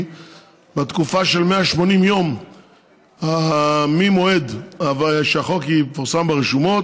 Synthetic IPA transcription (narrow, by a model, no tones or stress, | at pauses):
bet̪kufaʃe̞lmeaʃmo̞nimjo̞m | amimo̞ed̪avaʃeaχokifoʁsambeʁeʃumo̞t